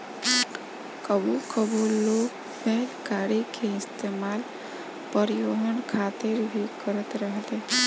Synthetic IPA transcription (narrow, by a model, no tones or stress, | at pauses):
kəbukəboloːɡ | pɛɦlkaːɾikʰeɪst̪eːmaːl | pəɾɪjoːɦənkʰaːt̪ɪɾbʱikəɾət̪ɾəɦle